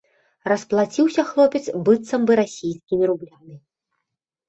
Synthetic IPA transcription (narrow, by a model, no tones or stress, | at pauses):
rɐsplˠat͡sʲiwsʲɐxlˠɔpʲɛt̪sbɨt̪sɐmbɨɾasʲijskʲimʲiɾublʲani